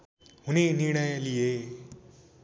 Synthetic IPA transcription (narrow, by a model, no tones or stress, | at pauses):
ɦuneniɾɳ̃ʌjlije